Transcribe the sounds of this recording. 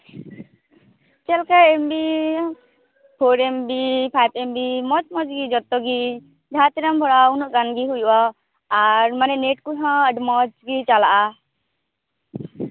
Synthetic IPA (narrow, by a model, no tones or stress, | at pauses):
t͡ʃɛlkaembi | pʰoɾɛmbipʰajbɛmbimɔt͡ʃmɔd͡ʒɡid͡ʒɔt̪ːɔɡi | d͡ʒʱat̪iɾambʱɔɽaunɔʔɡanɡiɦujuʔa | aɾmanɛneʈkuɦãəɖmɔd͡ʒɡit͡ʃalaʔa